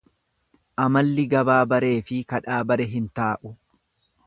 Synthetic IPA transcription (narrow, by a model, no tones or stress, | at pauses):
ʔɐmɐlːɪɡɐbaːbɐɾe̞ːfɪkɐᶑaːbɐɾɛɦɪnt̪aːʔʊ